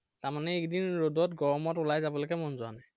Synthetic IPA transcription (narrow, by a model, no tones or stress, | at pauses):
taɹmanɛekdinɹodɔtɡɔɹɔmɔtʊlajzabɔlokɛmɔnzʊa̰naj